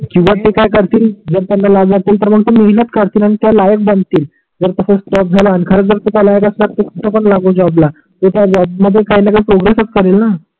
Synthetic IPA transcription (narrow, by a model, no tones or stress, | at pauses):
kĩw̃ʋat̪ekajkəɾt̪iːld͡zəɾt̪janːalaɡd͡zat̪iːlt̪əɾməɡt̪umeɦinət̪kəɾt̪iːlaɽ̃it̪jalajək̚bənd̪t̪iːl | d͡zəɾt̪əsəsʈɔp̚d͡zʱaləanikʰəɾəd͡zəɾt̪ut̪alajəkəslat̪okut̪ʰapəɳlaɡod͡zabla | t̪ot̪jad͡zabməd̪ʱːjekainakajpɾoɡɾesət͡skəɾelna